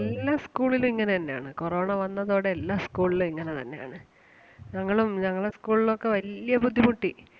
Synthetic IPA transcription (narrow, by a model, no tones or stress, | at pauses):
elːaːskuːɭilumiŋːɐnet̪ɐnːeja̰ːɳɨkoro̞ːɳɐʋɐnːɐðo̞ːɽeːlːaːskuːɭilumiŋːɐne̞t̪ɐnːe̞ja̰ːɳɨ | ɲɐŋːɐɭumɲɐŋːɐɭeskuːɭilokːe̞ʋɐlijɐbud̪ʱːimuʈːi